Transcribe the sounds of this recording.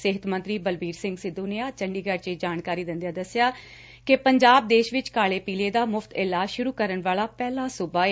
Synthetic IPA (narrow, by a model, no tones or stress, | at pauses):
sɪɦət̪mə̃nt̪ɾiːbəlbiːɾsɪ̃ŋɡsɪd̪oːneãːt͡ʃəɳɖiːɡəɾt͡ʃed͡ʒaːnkaːɾiːd̪ɪnd̪jaːd̪əsːɪjaː | kɪpəɲd͡ʒaːb̚d̪eːʃʋɪt͡ʃkaːɭeːpiːleːd̪aːmʊfʰt̪ʰɪlaːʃʊɾuːkəɾənʋaːɭaːpɛːlaːsʊbaːeː